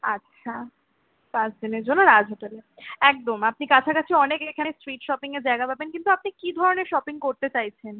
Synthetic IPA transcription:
atːɕʰa | pãsd̪ineɾd͡ʑonːoɾad͡ʑʱɦoʈeleɛk̚d̪omap̚nikat͡ɕʰakat͡ɕʰiɔnekekʰanesɾiʈʃɔpiŋed͡ʑaeɡapabenkint̪uap̚nikid̪ʱɔɾoneɾʃɔpiŋkoɾt̪et͡ɕajt͡ɕʰen

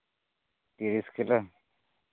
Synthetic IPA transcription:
t̪iɾiskilə

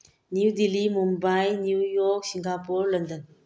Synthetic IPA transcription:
niwdilimumbajnujɔk̚siŋɡapuɾləndən

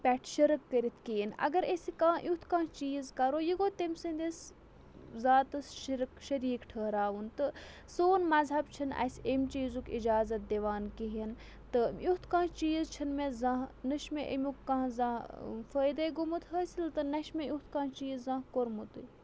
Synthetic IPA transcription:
pʲɛʈʰʃəɾɨkːəɾit̪ʰkinɐ̰ɡɐɾesikãːʔut̪ʰkãːt͡ʃiːzkɐɾoːjiɡoːt̪emʲsɐnd̪es | zaːt̪ɨsʃiɾkʃɐɾiːkʈʰəːɦɾaːʋunt̪ɨ | soːnmɐzɦɐbt͡ʃʰinɐ̰sʲemʲt͡ʃiːzukḭd͡ʒaːzɐt̪̚d̪eʋaːnkiɦin | t̪ɨjut̪ʰkãːt͡ʃiːzt͡ʃʰinmezãːɦnɐʃmeʔḛmʲukːãːzãːfəːjd̪ɐɡumɨt̪ɦəːsʲilt̪ɨnɐʃmejut̪ʰkãːt͡ʃiːzːãːɦkoɾmut̪u

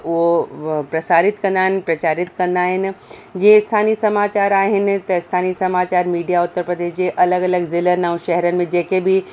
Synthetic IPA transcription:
ʊɦopɾɐsaːɾɪt̪kɐ̃nd̪aːɦɪnɪpɾɐt͡ɕaːɾɪt̪kɐ̃nd̪aːɦɪnɪ̆d͡ʑẽẽɪst̪ʰaːnisɐmaːt͡ɕaːɾaːɦɪnɪ̆t̪ɐɪst̪ʰaːnisɐmaːt͡ɕaːɾmiːɖijaʊt̪ːəɾpɾəd̪eːʃd͡ʑeʔɐləɡɐləɡzɪlənãũʃɛɦɛɾənɪ̆mẽd͡ʑeːkebʱi

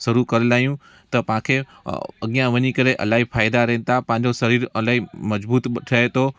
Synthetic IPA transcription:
sɐɾukɐɾelaːijũ | t̪ɐpãːkʰe | ɐ̰ɠijãʋɐɲikɐɾeʔɐ̰laːɦifʰaːɪd̪aɾɛ̃ːnɪt̪apãːɲd͡ʑosɐɾiːɾɐlaːɦimɐzbuːt̪ɓʈʰaet̪oː

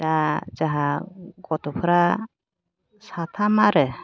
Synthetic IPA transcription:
ad͡ʒaɦaɡɔt̪ɔpʰɔɾa | sat̪ʰamaɾɛ

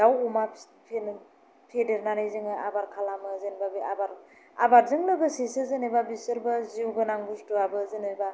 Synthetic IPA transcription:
dawuma | pʰen | pʰedeɾnanɯjzɯŋɯa̰baɾkʰalamɯzenbabiabaɾ | a̰baɾzɯŋlɯbɯsisɯzɯnebabisɯɾbɯziwbɯnaŋbustuabɯzɯneba

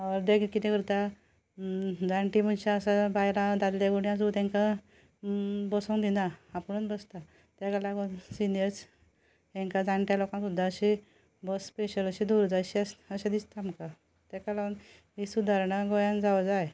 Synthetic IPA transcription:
aʋəɾd̪eɡkit̪ɛ̃kəɾt̪a | d͡zaɳʈimunɕaəsabajlad̪ad̪ljaɡuɳjãd͡zut̪ɛ̃ŋka | bəsõŋd̪inaːpəɳunbəst̪a | t̪akalaɡsinjəɾs | ẽŋkad͡zãɳʈjalokãsud̪ʱːaəɕi | bəsːpeɕələɕid̪uɾd͡zaɕiəsəɕad̪ist̪aamka | t̪ɛkalan | ɦisud̪ʱaɾɳəɡɔjãnd͡zaʋəd͡zaj

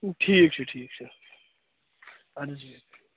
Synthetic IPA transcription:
ʈʰiːk̚t͡ʃʰeʈʰiːk̚t͡ʃʰe | ɐɾd͡ʒi

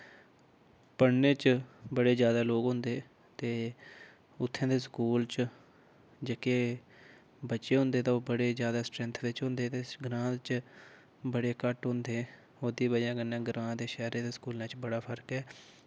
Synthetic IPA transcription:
pəɽneːt͡ʃbəɽeːd͡ʒjaːd̪aːloːɡɦʊ̃nd̪eː | t̪eː | ʊt̪ʰːẽːd̪eːskuːlt͡ʃ | d͡ʒeke | bətːʃeːɦʊ̃nd̪eːt̪ãːoːbəɽeːzjaːd̪aːsʈɾɛ̃nt̪ʰʋet͡ʃɦʊ̃nd̪eːt̪eːɡɾãːt͡ʃ | bəɽeːkəʈɦʊ̃nd̪eː | oːd̪iːbəãːɡənːãːɡɾãːd̪eːʃɛːɾẽːd̪eːskuːlnãːt͡ʃbəɽaːpʰəɾkɛː

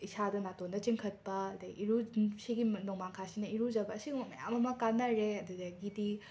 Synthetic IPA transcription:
isadɐnatondɐt͡ʃiŋkʰɐt̚pɐɐdeʔiɾusiɡinoŋmaŋkʰasinɐiɾuzɐbɐːsiɡmɐja̰mɐmɐkanːɐɾeɐdudɐɡidi

